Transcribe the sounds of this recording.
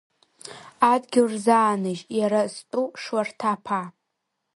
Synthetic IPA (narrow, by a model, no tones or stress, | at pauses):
adɡʲɪrzaːnɨʒjaɾastʼuʂwartʰapʰa